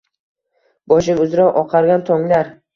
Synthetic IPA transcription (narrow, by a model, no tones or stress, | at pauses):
b̥ɒʃ̬ɪmʊzɾaʔɒqʰɑɾɡʲant̪ʰoŋlaɾ